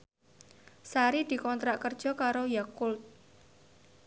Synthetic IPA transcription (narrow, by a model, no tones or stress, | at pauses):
saɾid̪̥i̤kɔnt̪ɾaʔkərd̥ʒ̥ɔ̤kaɾojakʊlt̪̚